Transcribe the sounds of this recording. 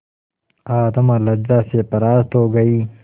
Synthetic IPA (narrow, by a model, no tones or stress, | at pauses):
aːt̪ɐmalɐd͡ʑzaːsepɐɾaːst̪oːɡɐiː